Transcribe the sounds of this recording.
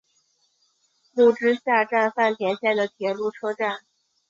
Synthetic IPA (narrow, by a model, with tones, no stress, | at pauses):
lu˥˩ʈ͡ʂɻ̩˥ɕja˥˧ʈ͡ʂa˥˧nfa˥˩nt̪ʰjɛ˧˥nɕjɛ˥˩d̪ə˩t̪ʰjɛ˨˩lu˥˩ʈ͡ʂʰɤ˥ʈ͡ʂa˥˩n